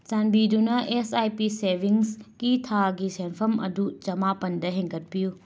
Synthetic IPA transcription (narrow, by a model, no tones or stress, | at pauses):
t͡ʃɐnbidunɐʔesajpisebʱiŋskitʰaɡisenpʰɐmɐ̰dut͡ʃɐmapɐndɐɦẽŋkɐt̚piju